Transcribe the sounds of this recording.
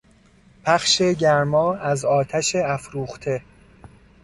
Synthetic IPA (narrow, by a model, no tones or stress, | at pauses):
pʰæχʃe̞ɟæɾmɒːæzɒːt̪ʰæʃeæfɾuːχt̪ʰe̞